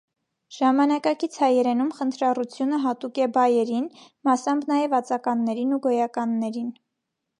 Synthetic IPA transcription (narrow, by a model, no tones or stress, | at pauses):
ʒ̥ɑmɑnɑkɑkit͡sʰhɑjɛɾɛnumχənt̪ʰɾɑrut͡sʰjunəɦɑt̪ukɛbɑjɛɾin | mɑsɑmbnɑjɛvɑt͡sɑkɑnːɛɾinuɡɔjɑkɑnːɛɾin